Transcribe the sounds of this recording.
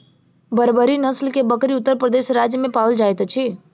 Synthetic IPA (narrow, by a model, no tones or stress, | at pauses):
bəɾbəɾinəslkebəkɾiʊt̪ːəɾpɾəd̪eːʃɾaːd͡ʒjəmẽpaːəld͡ʒaːet̪t͡ʃʰi